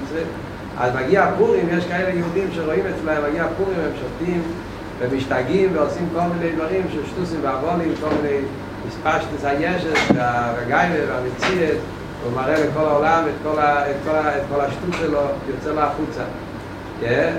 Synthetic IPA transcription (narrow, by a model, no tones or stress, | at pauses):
t͡sʁə | a̰zmaɡiapuʁimjɛʃkaɛləjɪudimʃeʁɔimɛt͡slɛmvaɡiapuʁimvɛmʃɔftim | vɛmɪʃtaɡimvɪɔsimkɔlˠmineɪdvaʁimʃɪʃtusimvɪavɔnimkɔlˠmɪneɪ | mɪspaʃtn̩sajɛʃəsvɪavaɡaɪvəvɪamɪt͡siəs | vomaʁɛlɪkɔlaɔlamɛtkɔlaɛtkɔlaɛtkɔlaʃtusəlɔjɔt͡sɛloaχut͡sa̰ | ɡɛ